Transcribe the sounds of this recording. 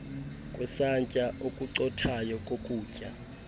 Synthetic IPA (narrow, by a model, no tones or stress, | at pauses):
kʼwɛsant͡ʃʼaʔokʼuǀɔtʰajɔkʼokʼuːcʼa̰